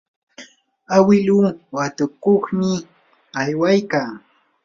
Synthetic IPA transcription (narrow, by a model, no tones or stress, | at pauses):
awɪluːwat̪ʊkoχmɪ | ajwajkaː